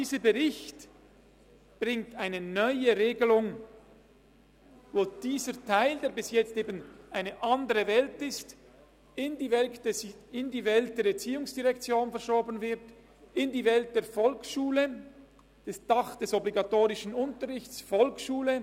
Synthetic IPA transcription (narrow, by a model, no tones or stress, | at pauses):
diːzəbəʁɪçt | b̥ʁɪŋtaɪnənœʏəʁeːɡəlʊŋ | voːd̥iːzətʰaɪldeːɐbɪsjɛt͡steːbənʔaɪnəʔandəʁəvɛltɪst | ɪndi | ɪndiːvɛlt̚d̥eːɾɛt͡siːʊŋsd̥iʁɛkt͡sjoːnfɛɐʃɔːbənvɪʁt | ɪndiːvɛlt̚d̥eːɐfɔlksʃuːlə | d̥ɛsd̥ɑχd̥ɛsɔbliɡɑtoːʁɪʃənʊntəʁɪçt͡sfɔlksʃuːlə